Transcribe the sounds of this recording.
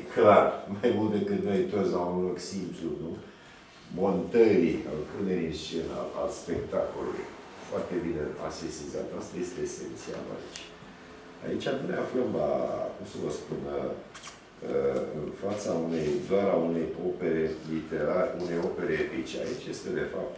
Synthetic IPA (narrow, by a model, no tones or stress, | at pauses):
klarmajmult̪̚d̪e̞kɨt̪no̞jit̪osʲlaunlo̞ksimplunu | mo̞nt̪əɾia̰lpuneɾinst͡ʃe̞na̰a̰lspe̞k̚t̪ako̞lulṵj | foart̪e̞bineasest̪insiat͡ʃast̪aje̞st̪eːse̞nt̪sia̰la̰it͡ʃʲ | a̰it͡ʃʲanuneafləmla̰kumsəvəspunə | kə̰ɨ̰nfat̪saunejd̪aɾaune̞jo̞pe̞ɾe̞lit̪e̞ɾaɾune̞jo̞pe̞ɾepit͡ʃa̰it͡ʃʲje̞st̪e̞d̪e̞fa̰p̚t̪